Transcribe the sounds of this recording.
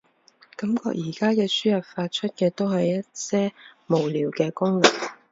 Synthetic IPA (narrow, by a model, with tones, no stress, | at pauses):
kɐ˨˥mkɔ̰ː˧k̚jiː˨˩kaː˥kɛː˧syː˥jɐ˨p̚faː˧t̚t͡ʃʰɵ˥t̚kɛː˧t̪o˥whɐ˨jːɐ˥t̚sɛː˥mo˨˩wliː˨˩wkɛː˧kʊ˥ŋlɪ˨˩ŋ̚